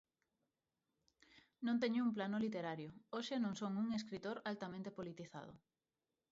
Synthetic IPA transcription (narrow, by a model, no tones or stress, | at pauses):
nõnt̪eɲʊumplanolit̪eɾaɾjʊoʃenõŋsoŋuŋes̬kɾit̪oɾalt̪amẽnt̪epolit̪iθa̰ð̞ʊ̰